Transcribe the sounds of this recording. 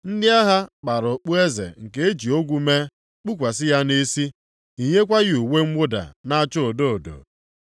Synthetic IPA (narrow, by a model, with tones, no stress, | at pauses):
n̩˦dɪ˦a˦ɦa˦k͡pa˨ɾʊ˨k͡pu˦e˦zḛ˨ŋ̩˨ke˦e˦d͡ʒi˨o˦ɡʷu˦me˦ | k͡pu˦k̬ʷa˨sɪ˦ja˦ne˦si˦ | i˨ɲe˦kʷa˦ɣɪ˦u˨we˦ŋ͡m̩ʷ˦ʊ˦da̰˨na˦t͡ʃo˦o˨do˦o˨do̰˨